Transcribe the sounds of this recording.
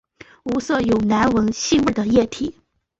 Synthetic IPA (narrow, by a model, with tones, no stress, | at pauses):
u˧˥sɤ˥˩jo˨˩ʊna˧˥nwə˧˥ŋɕi˥˧wə˥˩d̪ə˨jɛ˥˩t̪ʰi˨˩˦